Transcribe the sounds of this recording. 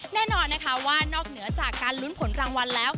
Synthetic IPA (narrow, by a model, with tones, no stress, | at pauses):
nɛː˥˩nɔː˧nːa˦˥kʰa˦˥waː˥˩nɔː˥˩k̚nɯ˩˦ɐt͡ɕaː˨˩kːaː˧nlu˦˥npʰo˩˦nɾaː˧ŋwa˧nlɛː˦˥w